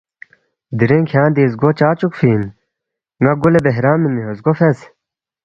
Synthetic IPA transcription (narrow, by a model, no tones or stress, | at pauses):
d̪iɾeŋkʰjãːnd̪iːs̬ɡot͡ɕaːt͡ɕukfiːn | ŋɐɡulebeɦɾaːmːimiɦosɡofes